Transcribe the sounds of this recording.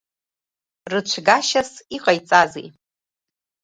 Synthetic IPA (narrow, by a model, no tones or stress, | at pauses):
rɨt͡ʃʷʰɡaʃasiqʼajt͡sʼazḛj